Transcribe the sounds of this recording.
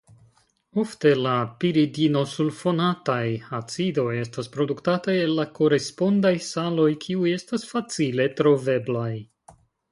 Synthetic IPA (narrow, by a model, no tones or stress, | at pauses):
o̞fte̞lapiɾidino̞sulfo̞natajat͡sido̞je̞staspɾo̞duktatajelːako̞ɾe̞spo̞ndajsalo̞jkʰiuje̞stasfat͡sile̞tɾo̞ve̞blaj